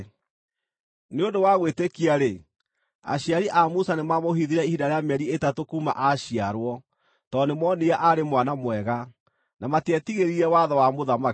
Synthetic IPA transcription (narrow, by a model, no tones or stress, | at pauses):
neondowaɣwetekiaɾe | a̰ɕiaɾiʔamusanemamoɦiðiɾɛihidaɾeamɛɾietatokuːma̰ʔaɕiaɾwɔ | tɔnemwɔneaʔaɾemwanamwɛɣa | namatɛtiɣeɾiɾɛwaðɔwamoðama